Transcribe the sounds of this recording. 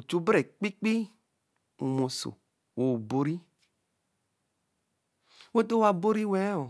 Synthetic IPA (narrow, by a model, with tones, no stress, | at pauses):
o˨t͡ʃu˦bɾɛ˨k͡pi˦k͡pi˦ | u˨mo˨so̰˨ | wo˨bo˧ɾi˦ | wo˦t̪o˦wa˧bo˦ɾi˦wɛ˦o˨